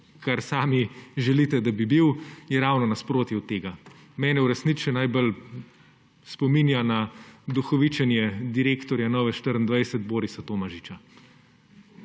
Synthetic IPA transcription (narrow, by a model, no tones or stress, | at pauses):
kaɾsaːmiʒɛliːt̪ɛd̪abibiwjɛɾaːwnɔnaspɾoːt̪jɛwt̪eːɡa | mɛːnɛuɾɛsnit͡ʃɛnajbəl | spɔmiːnjanad̪uxɔʋit͡ʃɛnjɛd̪iɾeːkt̪ɔɾjanɔːʋɛʃt̪əɾənd̪ʋajsət̪̚boːɾisat̪oːmaʒit͡ʃa